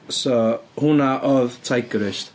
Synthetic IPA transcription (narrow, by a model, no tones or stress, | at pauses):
sohunaʔɔðtʰajkəɾɪʃt̪